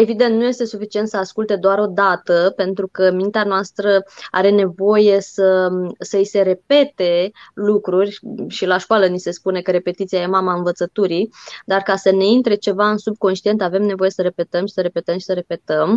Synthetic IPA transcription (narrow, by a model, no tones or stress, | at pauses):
e̞vid̪ent̪nuje̞st̪e̞sufit͡ʃie̞nt̪səaskult̪e̞d̪oaɾo̞d̪at̪əpe̞nt̪ɾukəmint̪eanoast̪ɾəa̰ɾe̞ne̞vo̞je̞səsəise̞ɾe̞pe̞t̪e̞lukɾurʲʃilaʃkoalənise̞spune̞kəɾe̞pe̞t̪it̪siajemamaɨnvət̪sət̪uɾid̪arkasəne̞int̪ɾe̞t͡ʃe̞vaɨnsub̚ko̞nʃt̪ie̞nt̪ave̞mne̞vo̞je̞səɾe̞pe̞t̪əmʃi̥səɾe̞pe̞t̪əmʃi̥səɾe̞pe̞t̪əm